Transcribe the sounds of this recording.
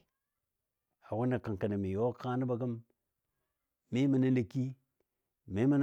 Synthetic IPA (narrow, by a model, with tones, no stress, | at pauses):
a˨wu˦na˨ka˨ŋka˨na˨mi˨jo˦ka˦ni˦ba˨ɡə˦m | i˦mə˨na˦lə˨ki˦ | mi˦mə˦n˦